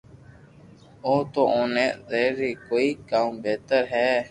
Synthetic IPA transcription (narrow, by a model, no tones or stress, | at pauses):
oːt̪oːʔõːneːʔzeːiːkoːiːkaːmbeːt̪əɾɦɛː